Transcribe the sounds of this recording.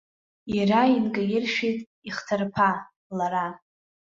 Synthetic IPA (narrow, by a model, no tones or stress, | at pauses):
irainɡʼajɪrʃᶣitʼ | iχtʰarpʰa | laɾa